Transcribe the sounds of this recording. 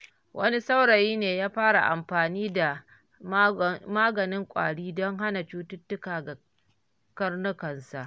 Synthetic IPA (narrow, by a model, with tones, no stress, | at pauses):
wʔɐ̰˦ni˦sa˦wɽɐ˨jiː˦neː˨jaː˦ɸaː˦ɽa̰˨ʔa̰˨mɸaː˨niː˦da˨ | maː˦ɡɐ˨nɪ˦ŋkʷʼa̰ː˨ɽiː˦dɔ˦ŋɦa˦na˨t͡ʃuː˦tʊ˦tːʊ˦kaː˨ɡa˨ | kɐ˦rnʊ˦kɐ˨nsa˨ʔ